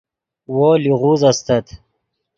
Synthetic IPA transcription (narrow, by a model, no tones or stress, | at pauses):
woliʁuzɐst̪ɐt̪